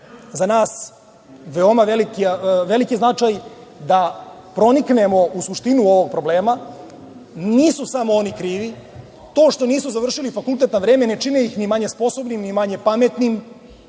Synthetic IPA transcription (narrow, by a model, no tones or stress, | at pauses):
zanaːs | ʋeomaʋelikiʋe̞likijznat͡ʃajd̪a | pɾo̞niknemo̞usuʃt̪inuo̞ʋo̞ɡ̚pɾo̞bleːma | niːsusamoonikɾiːʋi | t̪o̞ːʃt̪o̞niːsuzaʋr̩ʃilifakult̪et̪naʋɾeːmene̞t͡ʃineixnimaɲe̞spo̞so̞bnimnimaɲe̞pamet̪nim